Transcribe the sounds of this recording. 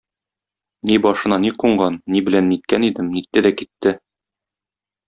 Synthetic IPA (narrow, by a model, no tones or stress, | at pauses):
nibɒʃɤ̆nɑniquɴɢɑnːibɘ̆lænːit̪̚kænid̪ɘmnit̪ːɘd̪ækit̪ːɘ